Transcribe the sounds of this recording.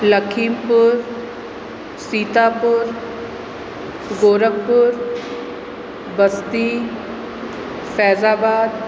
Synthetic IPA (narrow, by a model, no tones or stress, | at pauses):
ləkʰiːmpʊɾ | siːt̪aːpʊɾ | ɡoːɾək̚pʊɾ | bəst̪i | fʰɛːzaːbaːd̪̚